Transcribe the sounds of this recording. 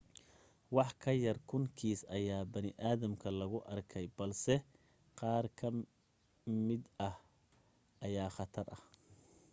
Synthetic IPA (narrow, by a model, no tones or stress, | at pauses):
wɑħkʰɐjɐrkʰʊŋkʰiːsɐjaːbɐnɪʔaːðɐmkʰɐlɐɣʊʔɐrkʰɛjbɐlsɛ | qɑːrkʰɐ | mɪd̪ɐh | ʔɐjaːχɑt̪ʰɐrɐh